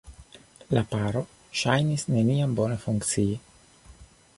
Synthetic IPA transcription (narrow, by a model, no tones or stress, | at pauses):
lapaɾo̞ | ʃajnisne̞niambo̞ne̞fuŋkt͡sii